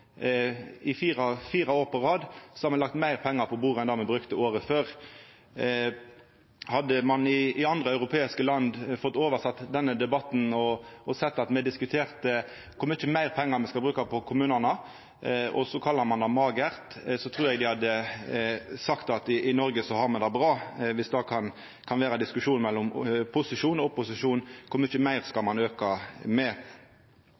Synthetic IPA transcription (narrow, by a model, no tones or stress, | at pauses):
ɪfiːʁɑfiːɾɑoːɾpɔʁɑːd̪sɔ̥hɑɾmɛnlɑk̚t̪mæɪʁpʰɛŋːəɾpʰɔbuːɾɛnd̪ɑːmɛbɾʉkt̪əoːɾəføːɾ | hɑd̪əmɑnɪʔɪɑnd̪ʁəœʉɾʁʊpʰeːɪskəlɑnd̪fɔt̪ːoːʋəsɑt̪ːd̪ɛnːəd̪ɛbɑt̪n̩ɔɔsɛt̪ːɑt̪mɛd̪ɪskʉt̪ʰeːʁt̪ə | kʰʊməɪçːəmæɪɾpʰɛŋːɑɾmɛskɑbɾʉːkɑpʰɔkʰʊmʉːnənə | ʔɔ̰sɔkʰɑlːɑɾmɑnd̪ɑmɑːɡəæʁt̪sɔt̪ʰɾuːɾɛɡd̪ɪhɑd̪ːə | sɑkt̪ɑt̪ɪʔɪnɔɾɡəsɔhɑɾmɑnd̪ɛbʁɑːʋɪsd̪ɑkʰɑn | kʰɑnʋeːɾɑd̪ɪskʉʂuːnmɛlːɔmpʰʊsɪʂuːnɔpʊsɪʂuːnkʰʊmɪçəmæɪʁskɑlmɑnøːkɑmɛ